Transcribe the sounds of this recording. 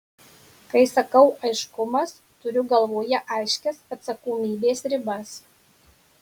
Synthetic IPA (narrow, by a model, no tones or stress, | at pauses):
kɐɪsɐkɐʊʔɐɪʃkʊmɐs | t̪ʊɾʲʊɡɐlˠʋoːjɛʔɐɪʃʲkʲɛsɐt̪sɐkoːmʲiːbʲeːsɾʲɪbɐs